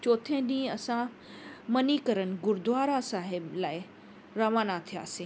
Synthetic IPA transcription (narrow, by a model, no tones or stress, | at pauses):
t͡ɕoːt̪ʰẽɗĩːɐsã | mɐnikɐɾənɪ̆ɡʊɾd̪ʋaːɾasaːɦɪblaːɪ | ɾaʋaːnat̪ʰija̰ːsĩː